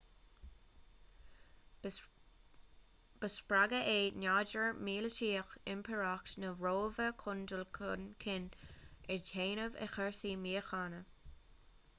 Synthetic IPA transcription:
b̥əspɹaɡəʔeːnaːd͡ʒəɹmiːlətiːxɪmpʰəɹaktnəɹoːvəkʰʊndəlkʰʊnkʰɪnɪdheːnəvḛxɛɹsiːmiːəxaːnə

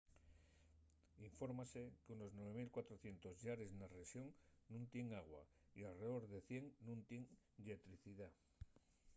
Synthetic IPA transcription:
iɱfo̞ɾmase̞kuno̞znweβ̞e̞milkwat̪ɾoθje̞nt̪o̞zʎaɾe̞znaresjo̞ŋnũnt̪je̞ŋaɣ̞wa̰ | ialre̞ðo̞ɾðe̞θje̞ŋnũnt̪je̞ŋ | ʎe̞t̪ɾiθiða

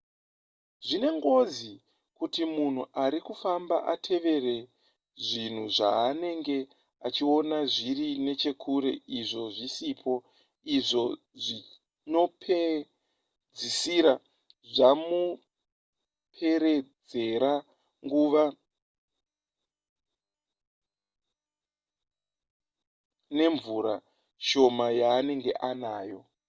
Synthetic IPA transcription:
ʐine̞ŋɡo̞zi | kutimun̤uʔaɾikufamba̰ʔa̰tʰe̞ʋe̞re̞ | ʐin̤uʐa̰ːne̞ŋɡe̞ | at͡ʃio̞naʐirine̞t͡ʃe̞kʰuɾe̞iʐo̞ʐisipʰo̞ | iʐo̞ | ʐi | no̞pʰe | d͡zisiɾa | ʐamu | pʰe̞ɾe̞d͡ze̞ɾa | ŋɡuːʋa | ne̞ɱvuɾa | ʃo̞majaːne̞ŋɡe̞̰ʔanaːjo̞

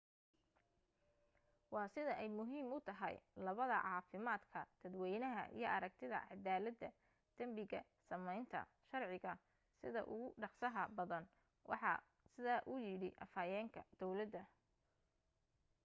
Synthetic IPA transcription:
wɑːsɪðɐʔɛjmʊɦiːmʊt̪ʰɐɦɐ̰jlɐβɐðɐ̰ʕɑːfɪmaːd̪kʰɐd̪̥ɐd̪wɛjnɐɦɐ̰ʔḭjɞʔɐɾɐk̚t̪ʰɪðɐ̰ʕɑd̪aːlɐd̪ɐ | d̪̥ɐmbɪɣɐ | sɐmɛjnt̪ʰɐ̰ | ʃɐrʕɪɣɐ | sɪðɐ̰ʔʊ̰ɣʊɖɑqsɐɦɐbɐðɐn | wʔɑ̰ħɑ̰ | sɪðaːʔʊjɪɽɪʔɐ̰faːjɛːŋkʰɐd̪̥ɔwlɐd̪ɐ

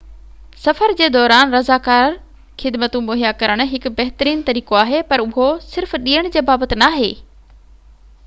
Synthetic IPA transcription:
sɐfəɾd͡ʑeːd̪ɔːɾaːnɾɐzaːkaːɾ | xʰɪd̪mət̪ũboːɦijakɐɾəɽ̃ʊ̆ɦɪkʊ̆bɐɦt̪əɾiːnt̪ɐɾiːkoaːɦepɐɾʊɦosɪɾfɗiːəɽ̃d͡ʑeːbaːbət̪ɪ̆naːɦeː

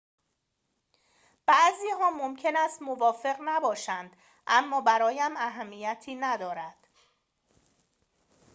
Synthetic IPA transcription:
b̥æʔziːɦɒːmo̞mcʰe̞næst̪mo̞vɒːfe̞ɣnæbɒːʃænd̪ | ʔæmːɒːbæɾɒːjæmæɦæmːiːjæt̪ʰiːnæd̪ɒːɾæd̪̥

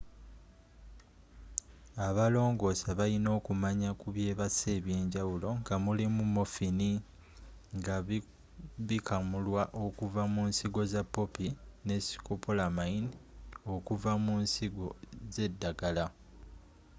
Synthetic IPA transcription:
aβalo̞ːŋɡo̞ːsaβalino̞ːkumaɲakuβje̞ːβase̞ːβje̞ːɲɟawulo̞ŋɡamulimumːo̞fini | ŋɡa | βikamulwaʔo̞kuvamunsiɡo̞zapːo̞pine̞si̥kopʰo̞lamaino̞kuvamunsiɡo̞ze̞dːaɡala

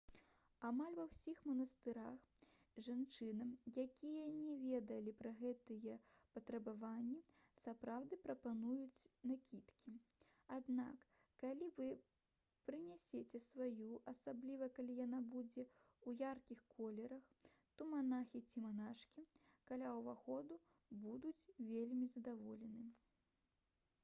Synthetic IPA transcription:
amalʲvɐwsʲixmɐnɐst̪ɨɾax | ʐant͡ʂɨnɨjakʲʰijɐnʲɛvʲed̪ɐlʲipɾɐɣɛt̪ɨjɛpɐt̪ɾɐbavanʲːisapɾawd̪ɨpɾɐpanujut͡sʲnakʲit̪kʲi | ad̪na̰kː | alʲivɨ | pɾɨnʲɛsʲet͡sʲɛsvajuʔɐsablʲivɐkalʲijanabud͡zʲɛ | ujarkʲixkɔlʲɛɾɐx | t̪ɔmanaxʲit͡sʲimanaʂkʲikalʲawvaxɔd̪u | bud̪ut͡sʲvʲelʲmʲizɐd̪avɔlʲɛnɨ

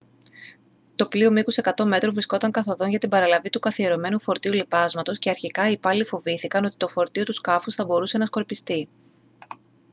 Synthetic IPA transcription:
t̪o̞plio̞mikuse̞kɐt̪o̞me̞t̪ɾovɾisko̞t̪ɐŋkɐθo̞ðo̞nʝɐt̪ibɐɾɐlɐvit̪ukɐθie̞ɾo̞me̞nufo̞ɾt̪iulipɐzmɐt̪o̞sce̞ɐɾçikɐipɐlifo̞viθikɐno̞t̪it̪o̞fo̞ɾt̪io̞t̪uskɐfusθɐbo̞ɾuse̞nɐsko̞ɾpist̪i

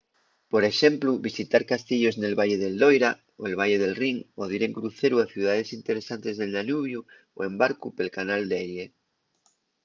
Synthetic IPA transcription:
po̞ɾe̞ʃe̞mpluβisit̪aɾkast̪iʎo̞zne̞lβaʎeðe̞ld̪ojɾa | oelβ̞aʝeð̞e̞lriŋoð̞iɾe̞ŋkɾuθe̞ɾuaθjuð̞aðe̞sint̪eɾesant̪e̞zðelnanuβ̞ju | o̰e̞mbaɾkupe̞lkanald̪ajʎe

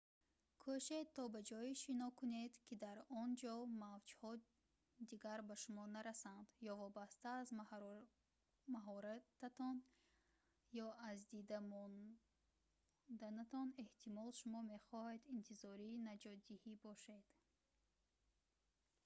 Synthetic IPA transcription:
kʰuʃet̪ʰːɔbad͡ʒɔiʃinɔkʰuned̪kʰid̪aɾɔnd͡ʒɔmavd͡ʒhɔ | d̪iɡaɾbaʃumɔnaɾasand̪̥jɔvɔbast̪aːzm | maɦɔɾat̪at̪ɔn | jɔazd̪id̪amɔn | d̪anat̪ʰɔne̞ht̪ʰimɔlʃumɔme̞χɔhed̪int̪ʰizɔɾinad͡ʒɔt̪̚d̪ihibɔʃe̞d̪̥

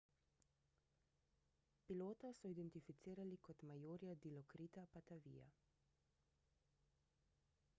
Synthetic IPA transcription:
piloːt̪asɔid̪ɛnt̪ifit̪siːɾalikɔt̪majoːɾjad̪ilɔkɾiːt̪apat̪aʋḭːja̰

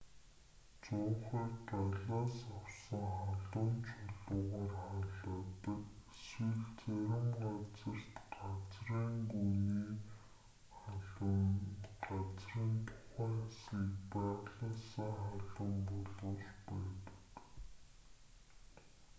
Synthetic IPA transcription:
t͡sʊːχiːkt̪aɮaːsawsə̆ŋχaɮʊːnt͡ɕʰɔɮʊːʁaːrχaɮaːt̪ə̆keswɘ̆ɮt͡sæɾʲɪ̆mɢat͡sə̆rt̪ɢat͡sriːŋɡuniː | χɮ | ɢat͡sriːnt̪ʰʊ̥χæːŋasiːkpæːʁɮə̆nsaŋχaɮə̆mpɔɮʊːɮpæːt̪ə̥̆k

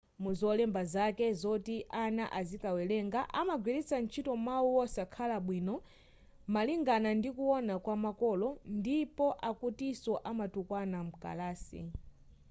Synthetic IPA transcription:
muzɔlɛmbazakɛzɔtiʔanaʔazikawɛlɛŋɡaʔamaɡwiɾit͡san̩t͡ʃʰitɔmawuɔsakʰalaɓwiːnɔ | maliŋɡanandikuwɔnakwamakɔlɔndipɔʔakutisɔʔamatukwanam̩ka̰laːsḭ

